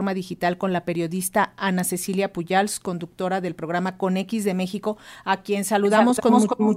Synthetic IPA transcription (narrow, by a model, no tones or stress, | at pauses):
ɾmaðixit̪alko̞nlape̞ɾjo̞ðist̪aanase̞siljapuʝalsko̞nd̪uk̚t̪o̞ɾaðe̞lpɾo̞ɣ̞ɾamako̞ne̞kizðe̞me̞xiko̞akje̞nsaluðamo̞sko